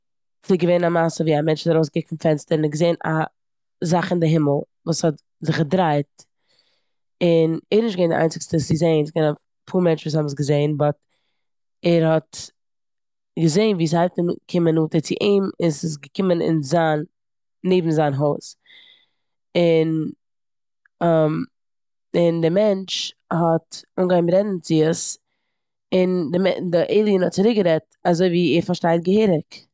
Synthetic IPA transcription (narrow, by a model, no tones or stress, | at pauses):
t͡sɪɡəveɪnamasəviːamɛnt͡ʃɔtaɾoʊsɡɪkfn̩fɛnstəɾɪnɪtɡəzeɪna̰ | zaχɪndɪɦɪməl̩ˠ | vuːshɔt | zɪχɡədɾaɪt̚ | ɪnɛɾnɪʃt̚ɡvɛɪndɪ̰ʔa̰ɪnt͡sɪkstəsɪzeɪnsɪ̥ɡɛna | pʰuːɾmɛnt͡ʃvuːshɔbms̬ɡəzeɪnbɔt | ɛɾhɔt | ɡəzeɪnviːs̬haɪtn̰kʰɪmənuːtət͡sɪʔiːmɪsɪsɡəkɪmənɪ̰nzaːnː | eɪbm̩zaːnɦoʊs | ɪn | am | ɪndɪmɛnt͡ʃ | hɔtʊŋɡaɪmɾɛdn̩t͡sɪəs | ɪndɪɛ̰dɪʔeɪlˠiənhɔt̚t͡sɪɾɪk̚ɡəɾɛtazoɪviːɛːɾfaɾʃtaɪt̚ɡəheːɾɪk